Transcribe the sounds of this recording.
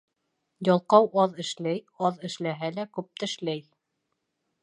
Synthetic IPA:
jɑlˠqɑwʔɑðɘ̆ʃlæj | ɑðɘ̆ʃlæɦælækʉp̚t̪ɘ̆ʃlæj

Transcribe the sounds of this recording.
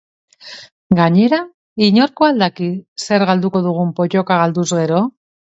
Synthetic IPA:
ɡaɲe̞ɾa | iɲo̞ɾkoald̪akise̞ɾɣald̪uko̞ðuɣ̞umpo̞co̞kaɣ̞ald̪uzɣe̞ɾo̞

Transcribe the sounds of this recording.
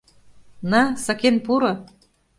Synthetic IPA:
nɑsɑkenpuɾɤ̆

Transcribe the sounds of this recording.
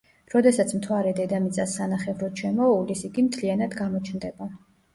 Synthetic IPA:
ɾɔd̪ɛsat̪sʰmt̪ʰwaɾɛd̪ɛd̪amit̪sʼasːanaχɛvɾɔt̪ʃɛmɔulisiɡimt̪ʰlianad̪ɡamɔt͡ʃʰnd̪ɛba

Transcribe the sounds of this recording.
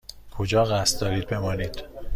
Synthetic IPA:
kʰod͡ʒɒːɣæst̪̚d̪ɒːɾiːd̪̚be̞mɒːniːd̪̥

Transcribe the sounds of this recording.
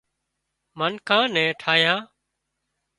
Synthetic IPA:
mənkʰãːnɛ̃ːʈʰaːjãː

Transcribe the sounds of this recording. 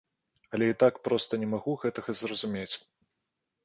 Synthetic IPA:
ɐlʲɛit̪akpɾɔst̪ɐnʲɛmaɣuɣɛt̪ɐɣɐzrɐzumʲet͡sʲ

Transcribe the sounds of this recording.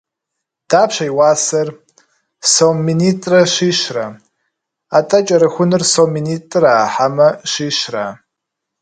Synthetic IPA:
d̥apʰʃʷajwasar | sommːinitʼraʃiʃra | atʼat͡ʃʼaɾɨxʷʊnɨrsominitʼraħamaʃiʃra̰

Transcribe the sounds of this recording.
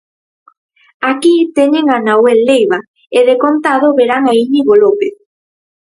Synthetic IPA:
akit̪eɲeŋanawelːejβa | eðekont̪aðoβeɾaŋaiɲiɣolopeθ

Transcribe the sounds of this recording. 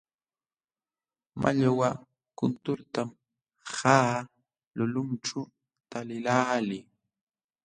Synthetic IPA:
mʔa̰ʎawa | kʊnt̪ʊɾt̪am | haː | lʊlʊnʈ͡ʂʊ | t̪alɪlaːlɪ

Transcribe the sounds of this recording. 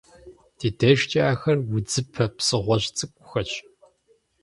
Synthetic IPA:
d̥iːdɐʒt͡ʃʼaːxɐrwʊd͡zɨpʰɐpsɨʁʷɔɕt͡sʼɨkʷʼʊxɐt͡ʃʼ

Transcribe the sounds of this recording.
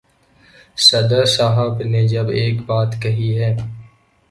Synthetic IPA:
sɐd̪əɾsaːɦəbned͡ʒɐbeːkbaːt̪kɐɦiɦɛː

